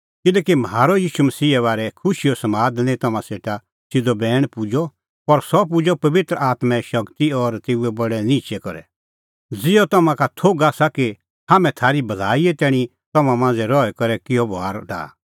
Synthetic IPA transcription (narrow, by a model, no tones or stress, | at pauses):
kɪlɛːkimɦaːɾɔjiːʃumɐsiːɛβaːɾɛkʰʊʃiɔsɐmaːd̪nẽt̪ɐmãseːʈa | sɪdobɛːɽ̃pʊd͡ʒɔ | pɐɾsɔp̬ʊd͡ʒɔpɐʋɪt̪ɾəaːt̪mɛ̃ʃɐkt̪iɔɾt̪eːuɛbɐɽɛnit͡ʃɛkɔɾɛ̰ | d͡zɪɔt̪ɐmãkat̪ʰoːɡaːsaki | haːmɛ̃t̪ʰaːɾibɐlaːiɛt̪ɛːɽ̃ĩ | t̪ɐmãmãːnd͡zɛɾɔɛkɐɾɛkɪjɔbaːɾɖa̰ː